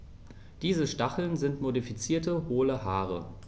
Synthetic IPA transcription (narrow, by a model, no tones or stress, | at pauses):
d̥iːzəʃtaχl̩nzɪntmodifit͡siːɐtəhoːləɦaːʁ̞ə̰